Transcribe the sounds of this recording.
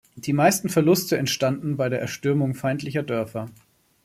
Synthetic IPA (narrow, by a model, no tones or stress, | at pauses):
d̥iːmaɪstn̩fɛɐlʊstʰəɛntʃtandn̩baɪɾeːɐʔɛɐʃtʏɐmʊŋfaɪntlɪçɐdœɐfɐ